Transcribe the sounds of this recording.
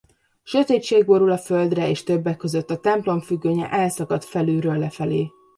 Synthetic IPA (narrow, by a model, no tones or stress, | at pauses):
ʃøt̪eːt͡ʃeːɡ̚bo̞ɾulɒfø̞ld̪rɛeːʃt̪ø̞bːɛkːø̞zø̞t̪ːɒt̪ɛmplo̞mfyɡːøːɲɛ̰ʔɛlsɒkɒt̪fɛlyːɾøːlːɛfɛleː